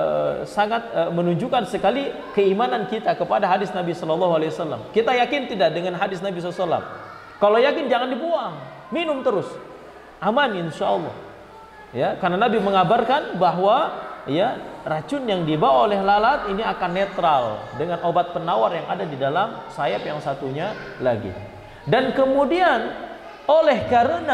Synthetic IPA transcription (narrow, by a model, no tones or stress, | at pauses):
saŋat̪̚əmənuɲd͡ʒukansəkali | kəimanankit̪akəpadaɦadɪsnabisɔlɔlːɔɦualewasalːa̰mkit̪ajakɪnt̪idadəŋanɦadɪsnabisɔlasalːa̰m | kalojakɪnd͡ʒaŋandibuaŋ | minʊmt̪əɾʊs | ʔamanɪnʃaʔɔlˠːɔ̰h | jakarnanabiməŋabarkanbaɦwajarat͡ʃʊnjaŋdibawaolɛhlalat̪iniakanːet̪ɾaldəŋanobat̪̚pənawarjaŋadadidalamsajapjaŋsat̪uɲalaɡḭ | dankəmudian | olɛhkaɾəna